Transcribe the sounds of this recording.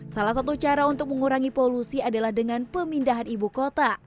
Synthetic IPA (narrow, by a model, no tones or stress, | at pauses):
salahsat̪ut͡ʃaɾaunt̪ʊk̚məŋuɾaŋipolusiadalahdəŋanpəmindaɦanibukot̪a